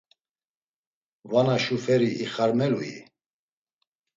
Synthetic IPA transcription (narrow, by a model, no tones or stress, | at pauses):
vanaʃufɛɾiʔiχaɾmɛluḭ